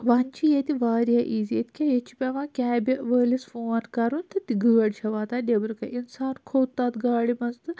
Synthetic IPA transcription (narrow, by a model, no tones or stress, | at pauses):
ʋant͡ʃʰijet̪iʋaːɾjaʔiːzijet̪i̥kʲajet͡ʃʰːipʲɐʋãːkʲaːbʲɐʋəːlisfoːɐʈkɐɾunt̪ʰɨt̪iɡəːɐɽt͡ʃʰɐʋaːt̪adebɐɾɨkɐʔinsaːɾkʰoːwt̪ːaːt̪ɡaːɽimɐnzt̪ɨ